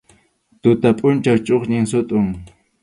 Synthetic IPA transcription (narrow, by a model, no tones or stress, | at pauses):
t̪ʊt̪apʼʊnt͡ʃawt͡ʃʼoχɲɪŋsʊt̪ʼʊŋ